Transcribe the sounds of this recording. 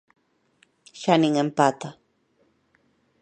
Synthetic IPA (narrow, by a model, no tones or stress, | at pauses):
ʃaniŋempat̪a